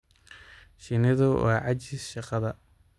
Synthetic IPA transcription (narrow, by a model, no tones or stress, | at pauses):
ʃɪnɪðʊwɑ̰ːʕɑt͡ʃɪsʃɑqɑðɐ